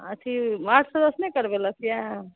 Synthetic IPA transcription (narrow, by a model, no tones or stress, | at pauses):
ət͡ʃʰimaʈsəd̪əsnekəɾbeləkʰja